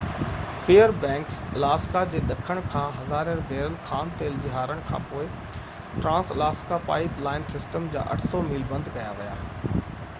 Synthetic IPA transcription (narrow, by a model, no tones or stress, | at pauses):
feːəɾbɛ̃ːŋkslaːskad͡ʑeːɗɐkʰəɽ̃kʰãːɦɐzaːɾəɾbʱeːɾəlxaːnt̪eːld͡ʑɪɦaːɾəɽ̃kʰã̰ːpoːɪ | ʈɾãːslaːskapa̰ːɪplaːɪnsɪsʈəmd͡ʑa̰ːʔɐ̰ʈʰsɔmɪlbɐ̃nd̪ʱkɐjaʋija̰ː